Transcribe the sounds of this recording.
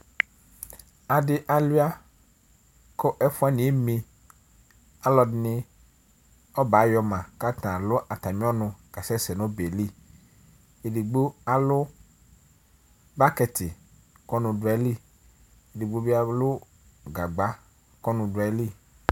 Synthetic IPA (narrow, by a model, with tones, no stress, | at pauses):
a˨dɪ˦ʔa˨lu˦a˦ | ko˦ʔɛ˦fʊ˦a˦nĩ˨˦e˦mĩ˦ | a˦lɔ˨dɪ˨˦nɪ̃˦ | ɔ˦ba˨˦jɔ˨mã˨ka˦t̪ã˨lʊ˦ʔa˨t̪a˨mĩ˦ɔ˦nʊ̃˨ka˨sɛ˦sɛ˨nʊ̃˦be˨li˦ | e˨di˨ɡ͡bo˦a˨lʊ˦ | ba˦kɛ˨t̪ɪ˨ | kɔ˦nʊ̃˨dʊ˨˦ɛ˨˦li˦ | e˨di˨ɡ͡bo˦bi˦a˦lʊ˦ | ɡa˨ɡ͡ba˦ | kɔ˦nʊ̃˨dʊ˨a˨˦li˦